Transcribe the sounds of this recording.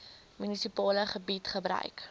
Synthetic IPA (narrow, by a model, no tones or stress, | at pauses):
mynisipɑːləχəbitχəbɾœ̰ɥk